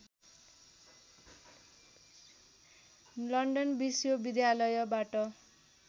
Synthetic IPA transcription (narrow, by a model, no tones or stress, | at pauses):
lʌɳɖʌnbisjobid̪jalʌjʌbaʈʌ